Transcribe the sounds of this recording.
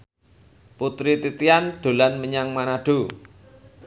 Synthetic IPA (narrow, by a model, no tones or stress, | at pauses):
put̪ɾit̪it̪ianɖ̪̥o̤lanməɲaŋmanaɖ̥o